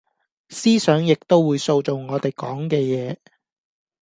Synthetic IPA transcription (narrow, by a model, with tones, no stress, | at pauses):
siː˥sœː˨˥ŋjɪ˨k̚t̪o˥wwuː˨˧jso˧wt͡so˨wŋɔː˨˧t̪e˨˩jkɔː˨˥ŋkɛː˧jɛː˨˧